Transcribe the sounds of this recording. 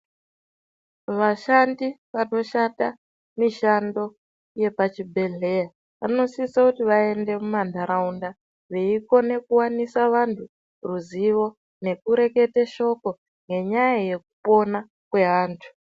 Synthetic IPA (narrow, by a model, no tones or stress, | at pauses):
ʋaʃandiʋano̞ʃata | miʃando̞ | je̞pat͡ʃibʱe̞ɮe̞ja | ʋano̞sisakutiʋae̞nde̞mumandʱaɾaunda | ʋe̞iko̞ne̞kuwanisaʋantʰu | ruziʋo̞ | ne̞kuɾe̞ke̞teʃo̞ko̞ | ŋɡe̞ɲajaje̞k̚upo̞na | kwe̞ɦaːntʰu̥